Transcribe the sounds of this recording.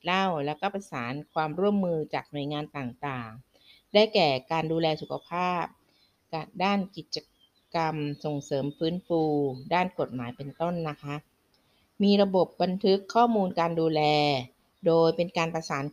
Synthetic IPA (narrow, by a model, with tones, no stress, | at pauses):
la˥˩wlɛ˦˥wkɔː˥˩pa˧saː˩˦nkʰwaː˧mɾu˥˩əmːɯː˧t͡ɕaː˨˩k̚nu˨˩ə˦jŋaː˧nt̪aː˨˩ŋt̪aː˨˩ŋ | daː˥˩jkɛː˨˩kaː˧nduː˧lɛː˧su˨˩kʰa˧pʰaː˥˩p̚ | ka˨˩daː˥˩nki˨˩t̪̚t͡ɕa˧ | ka˧mso˨˩ŋsɤː˩˦mfɯː˦˥nfuː˧daː˥˩nko˨˩t̪̚maː˩˦jpe˧nt̪o˥˩nːa˦˥kʰa˦˥ʔ | miː˧ɾa˧bo˨˩p̚ba˧nt̪ʰɯ˦˥kʰːɔː˥˩muː˧nkaː˧nduː˧lɛː˧ | doː˧jpe˧nkaː˧npɾa˧saː˩˦n